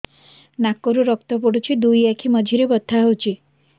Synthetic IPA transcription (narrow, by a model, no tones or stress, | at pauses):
nakːoɾuɾɔkt̪ɔp̬ɔɽut͡ʃʰid̪ujakʰimɔd͡ʒʱiɾebɔt̪ʰːaɦowt͡ʃʰi